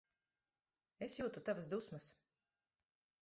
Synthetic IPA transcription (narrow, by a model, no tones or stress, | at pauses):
esjuːt̪ut̪avasd̪usmɐs